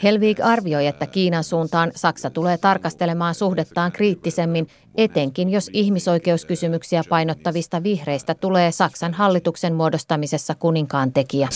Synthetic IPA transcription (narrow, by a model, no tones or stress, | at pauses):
he̞lʋiːɡɑrʋio̞je̞t̪ːækiːnɑnsuːnt̪ɑːnsɑksɑt̪ule̞ːt̪ɑrkɑst̪e̞le̞mɑːnsuhdet̪ːɑːŋkriːt̪ːise̞mːin | et̪e̞ŋkinjo̞siçmiso̞jke̞uskysymyksiæpɑjno̞t̪ːɑʋist̪ɑʋihre̞jst̪æt̪ule̞ːsɑksɑnɦɑlːit̪ukse̞nmuo̞do̞st̪ɑmise̞sːɑkuniŋkɑːnt̪e̞kiæ